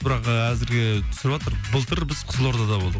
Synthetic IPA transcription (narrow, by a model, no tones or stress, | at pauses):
bɪɾɑqəæzɪɾɡʲet̪ʰʏ̥sɪɾɪbʒɑt̪əɾbəlˠt̪ʰəɾbɪz̥qʰʊ̥səlˠo̞ɾd̪ɑd̪ɑbo̞lˠd̪ə